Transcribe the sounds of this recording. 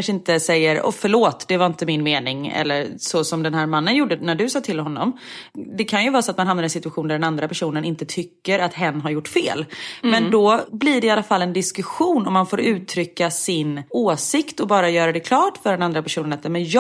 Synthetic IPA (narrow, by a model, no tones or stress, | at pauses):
anʂəɪnt̪əsɛjːəɾɔ̰fœɭoːt̪d̪ɛvaɾɪnt̪əmɪnmeːnɪŋɛ̰lːəɾsɔsɔmd̪ɛnɦæːɾmanːənjuːɖənæɖɵsɑːt̪ʰɪlɦɔnːɔ̰md̪ɛkʰanjɵvɑːɾsɔat̪manɦamnaɾɛnsɪt̪ɵaɧuːnd̪æɖɛnand̪ɾapʰæʂuːnənɪnt̪ət̪ʰʏkːəɾat̪ɦɛnːɦaɾjʊʈːfḛːlmɛnd̪ɔbliɖɛalːafalːɛnd̪ɪskɵɧuːnɔmːanfoːɾʉ̟ːt̪ʰɾʏkːasɪnoːsɪkt̪ɔbɑːɾajœːɾad̪ɛkʰlɑːʈfœɖɛnand̪ɾapæʂuːnənat̪ɛmɛnj